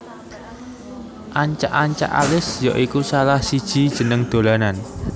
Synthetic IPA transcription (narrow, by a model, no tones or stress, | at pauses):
ʔaɲt͡ʃa̰ʔaɲt͡ʃa̰ʔa̰lɪsja̰ʔikusalahsid̥ʒ̥i̤d̥ʒ̥ə̤nəŋd̪̥o̤lanan